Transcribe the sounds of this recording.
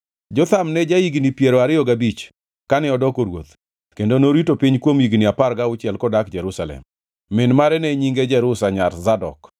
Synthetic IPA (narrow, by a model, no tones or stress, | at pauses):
d͡ʒɔt̪amnɛd͡ʒaiɡnipjeɾoaɾɪɔɡabit͡ʃ | kanɛɔdɔkoɾwo̰t̪ | kendonoɾitopiɲkwomiɡniapaɾɡaʊt͡ʃjɛlkɔdakd͡ʒɛɾusalɛ̰mː | ɪnmaɾɛnɛɲiŋɡed͡ʒɛɾʊsaɲaɾzadɔ̰k